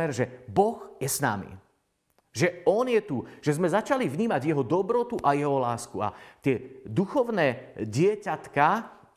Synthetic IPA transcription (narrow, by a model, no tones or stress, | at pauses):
ɛɾʒɛbɔɣjɛsna̰mḭ | ʒɛɔnjɛt̪uʒ̥ɛzmɛzat͡ʃalivɲiːmaɟjɛɦɔd̪ɔbɾɔt̪uʔajɛɦɔlaːskua̰t̪ɪɛd̪uxɔʊnɛːɟɪɛcat̪ka